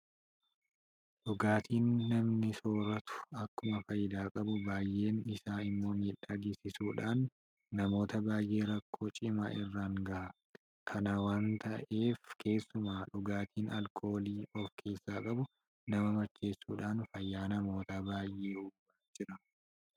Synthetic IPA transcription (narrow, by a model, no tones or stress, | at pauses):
ᶑʊɡaːt̪ʰiːnːɐmnɪso̞ːɾɐt̪ʊ̥ɐkːʊmɐfɐjɪd̪aːkʼɐbʊbaːjːʔe̞ːnɪsaːɪmːo̞ːmiːᶑad̪iːsɪsuːᶑaːnː | ɐmo̞ːt̪ɐbaːjʔe̞ːɾɐkːo̞ːt͡ʃʼɪma̰ːʔɪrːaːŋɡɐʔɐ | kʰɐnɐwaːnt̪ɐ̰ʔe̞ːfkʰe̞ːsːʊmaːᶑʊɡaːt̪ʰiːnɐlkʰo̞ːliːʔɔfkʰe̞ːsːaːkʼɐbʊ | nɐmɐmɐt͡ʃːe̞ːsːuːᶑaːnfɐjːaːnɐmo̞ːt̪aːbaːjʔeːhʊbad͡ʒɪɾɐ